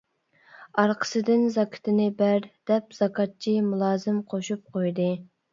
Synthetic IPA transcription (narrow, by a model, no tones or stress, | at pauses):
ɑɾqʰə̥sɨd̪ɪnzɑkʲʰɪ̥t̪ʰɪnɪbæɾd̪̥ɛpz̥ɑkʰɑt̪̚t͡ʃʰimulˠɑːzɪmqʰoʃup̚qʰojd̪ɨ